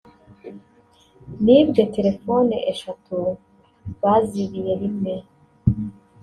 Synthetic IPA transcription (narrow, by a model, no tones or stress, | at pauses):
nibɡetʰeɾefoniʔeʃatʰu | βaziβijeɾime